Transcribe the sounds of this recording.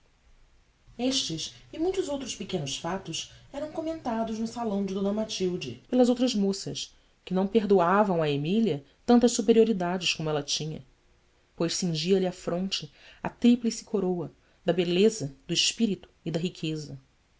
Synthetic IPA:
eʃt͡ʃɪsɪmũj̃t̪ʊzowt̪ɾʊspɪkẽnʊsfat̪ʊsɛɾɐ̃w̃komẽnt̪ad̪ʊznʊsalɐ̃w̃d͡ʒɪd̪õnɐmat͡ʃiwd͡ʒɪpelɐzowt̪̬ɾɐzmosɐ̰s | kɪnɐ̃w̃peɦd̪uavɐ̃w̃ɐemiliɐ | t̪ɐ̃nt̪ɐʃsupeɾioɾid̪ad͡ʒɪʃkõmʊɛlɐt͡ʃĩɲɐ̰ | pojʃsĩŋʒiɐliafɾʔõnt͡ʃɪ | ɐ̰t̪ɾiplisi̥kʰoɾowɐ | d̪ɐbelezɐd̪ʊiʃpiɾit̪ʊ̥id̪ɐɦikʰezɐ

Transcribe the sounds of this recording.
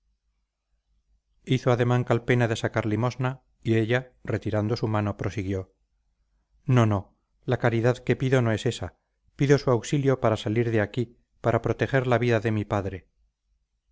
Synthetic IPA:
iθoaðe̞maŋkalpe̞naðe̞sakaɾlimo̞zna | ie̞ʎare̞t̪iɾand̪o̞sumano̞pɾo̞siɣjo̞ | no̞no̞ | lakaɾiðaðke̞piðo̞no̞e̞se̞sa | piðo̞suawksiljo̞paɾasaliɾðe̞aki | paɾʔapɾo̞t̪e̞χe̞ɾlaβiðaðe̞mipaðɾe̞

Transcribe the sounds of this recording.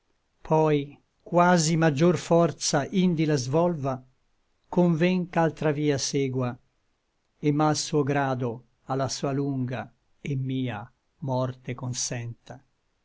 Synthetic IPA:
pʰɔj | kwaːzimad͡ʒːorfɔrt̪saʔind̪ilazvɔlva | koɱvɛŋkalt̪ɾaviːasɛːɡwa | emːalsuːoɡɾaːd̪o | alːasuːaluŋɡa | emːiːa | mɔrt̪ekonsɛnt̪a

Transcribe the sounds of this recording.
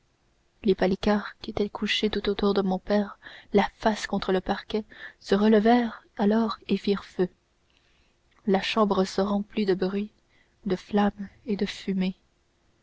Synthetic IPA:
lepalikaːʁkʲiet̪ɛkʰuʃet̪ut̪ot̪uʁd̪əmɔ̃pɛːʁlafaskɔ̃t̪χələpaʁkʲɛsəʁələvɛʁalɔːʁefiʁfø | laʃɑ̃bʁəsəʁɑ̃plid̪əbʁɥi | d̪əflamed̪əfyme

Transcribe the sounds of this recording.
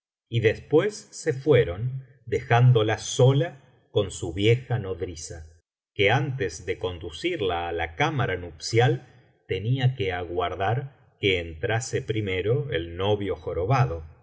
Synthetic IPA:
iðe̞spwe̞sːe̞fwe̞ɾo̞n | d̪exand̪o̞laso̞la | ko̞nsuβje̞xano̞ðɾisa | keant̪ezðe̞ko̞nd̪usiɾlaːlakamaɾanupsjal | t̪e̞niake̞aɣwaɾðaɾ | keːnt̪ɾasepɾime̞ɾo̞elno̞βjo̞xo̞ɾo̞βaðo̞

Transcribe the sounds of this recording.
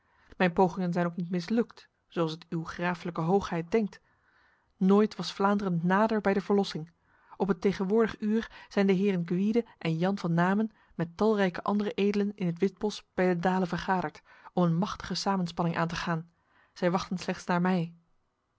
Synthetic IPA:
mɛjnpowχɪŋənzɛjnowknitmɪslɵkt | sowɑlˠsətyχraːfələkəɦowχɦɛjt̚d̥ɛŋk̚t | noːjtʋɑsflaːndərəntnaːdəɹbɛjdəvəɹlɔsɪŋ | ʔɔpɦətejχənʋʊːɹdəχyːɹz̥ɛjndəɦɪːrənɡʋidəʔɛnjɑnvɑnːaːmən | mɛtɑlˠrɛjkəʔɑ̰ndərəʔejdələnɪnɦətʋɪd̚bɔsb̥ɛjdədaːlənvəɹχaːdəɹt | ɔmənmɑχtə̥χəsaːmənspɑnɪŋʔa̰ːntəχaːn | z̥ɛjʋɑχtənslɛχtsnaːɹmɛj

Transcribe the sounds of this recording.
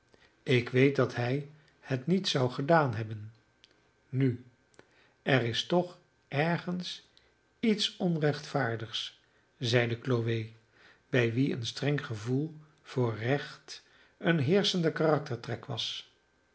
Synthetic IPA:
ɪkʋejt̚dɑtɦɛj | hətnitsɑwχədaːnɦɛbən | ny | ʔɛrɪstɔχ | ʔɛɹχəns | itsɔnrɛχtfaːɹdəχs | zɛjdəkloʋej | b̥ɛjʋiə̰nstrɛŋχəvulˠ | v̥ʊːɹrɛχt | ənɦɪːɹsəndəkarɑk̚təɹtrɛkʋɑs

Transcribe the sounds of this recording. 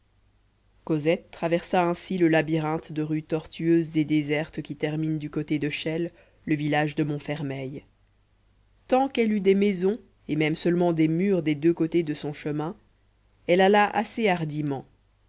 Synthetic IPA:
kɔzɛt̪ːχavɛʁsaɛ̃siləlabiʁɑ̃t̪d̪əʁyt̪ɔʁt̪yøzːed̪ezɛʁt̪kʲit̪ɛʁmind̪ykot̪ed̪əʃɛlː | əvilaʒd̪əmɔ̃fɛʁmɛj | t̪ɑ̃kɛlyd̪ɛmɛzɔ̃ | emɛmsœlmɑ̃d̪emyʁd̪ed̪økot̪ed̪əsɔ̃ʃəmɛ̃ | ɛlalaʔa̰seaʁd̪imɑ̃

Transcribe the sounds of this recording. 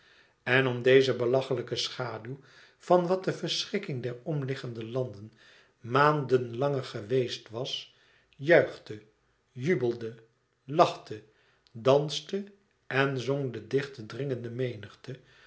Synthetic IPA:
ɛnɔmdejzəbəlɑχələkəsχaːdylˠ | v̥ɑnʋɑt̚dəvəɹsχɪkɪŋdɛɹɔmlɪχəndəlɑndən | maːndənlɑŋəɹχəʋejstʋɑs | jœɥχtə | jybəlˠdə | lɑχtə | dɑnstə | ɛnzɔŋdədɪχtədrɪŋəndəmejnəχtə

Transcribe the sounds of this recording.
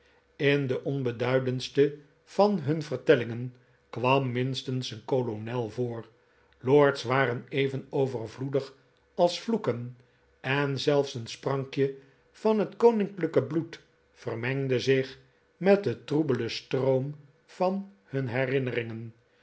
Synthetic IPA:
ɪndəʔɔnbədœɥdənstə | v̥ɑnɦɵnvərtɛlɪŋən | kʋɑmːɪnstənsənkolonɛlˠvoːr | loːɹtsʋaːrənejvənowvərvludəχ | ɑlˠsflukən | ɛnzɛlˠfsənsprɑŋkjə | vɑnɦətkownɪŋkləkəblut | fərmɛŋdəzɪχ | mɛt̚dətrubələstrowm | v̥ɑn | hɵnɦɛrɪnərɪŋən

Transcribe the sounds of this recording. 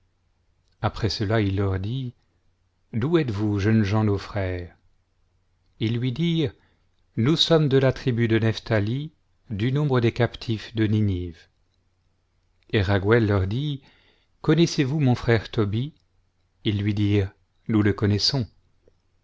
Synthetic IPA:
apχɛsəlailːœʁd̪i | d̪uɛt̪vuʒənʒɑ̃nofχɛːʁ | ilːɥid̪iːʁ | nusɔmd̪əlat̪χibyd̪ənɛft̪ali | d̪ynɔ̃bʁəd̪ekapt̪ʰifd̪əniniv | eʁaɡwɛlːœʁd̪i | kɔnɛsevumɔ̃fχɛʁt̪ɔbi | ilːɥid̪iːʁ | nuləkɔnɛsɔ̃

